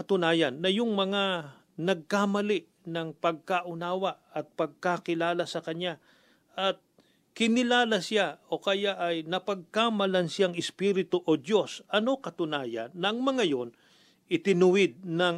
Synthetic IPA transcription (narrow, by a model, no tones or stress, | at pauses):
ɐt̪ʊnaːjɐnːɐjʊŋmɐŋa | nɐɡ̚kamɐlɪʔ | nɐŋpɐɡ̚kaʔʊnaːwɐʔɐt̪̚pɐɡ̚kakɪlaːlasɐkɐnja | ʔɐt̪̚ | kɪnɪlaːlasɪjao̞kɐjaʔɐjnɐpɐɡ̚kamɐlɐnsɪjaŋɪspiɾɪt̪oʔod̪jo̞sʔɐno̞kɐt̪ʊnaːjɐ̰nːɐɐŋmɐŋajo̞n | ʔɪt̪ɪnʊwɪd̪̚nɐŋ